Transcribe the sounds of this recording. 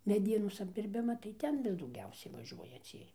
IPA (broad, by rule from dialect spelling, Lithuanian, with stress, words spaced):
mʲɛˈdʲiɛnoːs ɐbʲdʲɪrʲˈbʲɪmɐ tɐɪ ˈtʲɛn ʋʲɪs dɐʊˈɡʲɛʊsʲɛɪ ʋɐˈʒʲuɔjɛ ˈt͡sʲiɛj